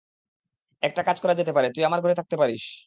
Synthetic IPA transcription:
ɛk̚ʈakad͡ʑkɔɾad͡ʑet̪epaɾet̪ujamaɾɡʱoɾet̪ʰak̚t̪epaɾiʃ

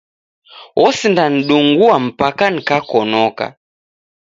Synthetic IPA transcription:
ɔsindan̩ɗuŋɡuam̩pakanikakɔnɔka̰

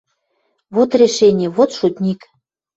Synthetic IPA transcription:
βot̪rʲeʃenʲɪeβot̪ʃut̪ʲnʲik

